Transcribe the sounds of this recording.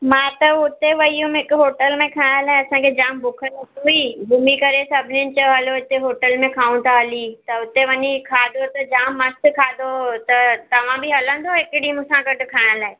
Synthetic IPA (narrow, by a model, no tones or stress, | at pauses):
mãːt̪ɐʊt̪eʋɐijũmɪkɦoːʈəlmẽkʰaːɽ̃əlaːɦeɐsãkʰed͡ʑaːmbʊkʰənɦuibʱuːmikɐɾesɐbʱɪnɪənɪ̆t͡ɕɐɦɐloɪt̪eɦoːʈəlmẽkʰaːũnt̪ʰaɦɐlit̪ɐʊt̪eʋɐɲikʰaːd̪ʱot̪ɐd͡ʑaːmːɐst̪kʰaːd̪ʱot̪ɐt̪ɐʋ̤ãbɪɦɐlə̃nd̪ʱoɦɪkɽimʊsãkɐʈʊkʰaːɪɽ̃laːɦe